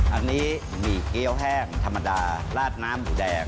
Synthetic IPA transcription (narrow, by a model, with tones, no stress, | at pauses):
ʔa˧nːiː˦˥ | miː˧˩ki˦˥˩əwɦɛː˥˩ŋt̪ʰa˧mːa˧daː˧laː˥˩t̪̚naː˦˥mʔuː˨˩dɛː˧ŋ